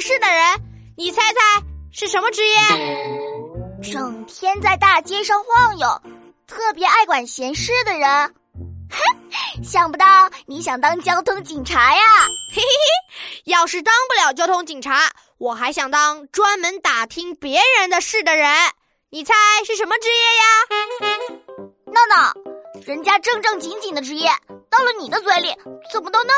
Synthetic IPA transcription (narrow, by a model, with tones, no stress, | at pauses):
ʂɻ̩˥˩d̪ə˩ɻə˧˥n | ni˨˩t͡sʰa˥ɪt͡sʰa˥˩ɪʂɻ̩˥˩ʂə˧˥nmə˧ʈ͡ʂɻ̩˧˥jɛ˥˩ | ʈ͡ʂɤ˨˩ŋt̪ʰjɛ˥nt͡sa˥˧ɪt̪a˥˩t͡ɕjɛ˥ʂɑ˥˧ŋxwɑ˥˩ŋjo˨˩˦ʊ | t̪ʰɤ˥˩pjɛ˧˥a˥˩ɪkwa˨˩nɕjɛ˧˥nʂɻ̩˥˩d̪ə˩ɻə˧˥n | ɕjɑ˨˩ŋpu˧˥t̪ɑ˥˩ʊni˧˥ɕjɑ˨˩ŋt̪ɑ˥ŋt͡ɕjɑ˥ʊt̪ʰʊ˥ŋt͡ɕi˨˩ŋʈ͡ʂʰa˧˥ja˨˥ | jɑ˥˧ʊʂɻ̩˥˩t̪ɑ˥ŋpu˥˩ljɑ˨˩ʊt͡ɕjɑ˥ʊt̪ʰʊ˥ŋt͡ɕi˨˩ŋʈ͡ʂʰa˧˥ | wɔ˨˩xa˧˥ɪɕjɑ˨˩ŋt̪ɑ˥ŋʈ͡ʂwa˥nmə˧˥nt̪a˨˩t̪ʰi˥ŋpjɛ˧˥ɻə˧˥nd̪ə˧ʂɻ̩˥˩d̪ə˩ɻə˧˥n | ni˨˩t͡sʰa˧˥ɪʂɻ̩˥˩ʂə˧˥nmə˧ʈ͡ʂɻ̩˥jɛ˥˩ja˩ | na˥˩nə˨˩ɻə˧˥nt͡ɕja˥ʈ͡ʂɤ˥˧ŋʈ͡ʂɤ˥˩ŋt͡ɕi˧˥ŋt͡ɕi˨˩nd̪ə˦ʈ͡ʂɻ̩˧˥jɛ˥˩t̪ɑ˥˩ʊlə˨ni˨˩d̪ə˦t͡swe˥˧ɪli˥˩t͡sə˨˩mə˦t̪o˥ʊnə˥